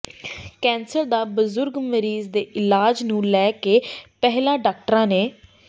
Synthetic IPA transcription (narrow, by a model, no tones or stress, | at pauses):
kɛ̃ːnsəɾd̪aːbəzʊɾɡməɾiːzd̪eːʔɪlaːd͡ʒnũːlɛːkeːpɛɦlãːɖaːk̚ʈəɾãːneː